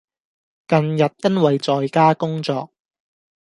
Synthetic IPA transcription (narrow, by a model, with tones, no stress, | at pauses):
kɐ˨˧njɐ˨t̚jɐ˥nwɐ˨jt͡sɔː˨jkaː˥kʊ˥ŋt͡sɔː˧k̚